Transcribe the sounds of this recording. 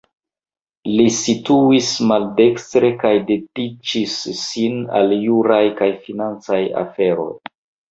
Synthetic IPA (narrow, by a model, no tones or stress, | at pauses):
lisituismalde̞kstɾe̞kajdedit͡ʃisːina̰ljuɾajkajfinant͡saja̰fe̞ɾo̞̰j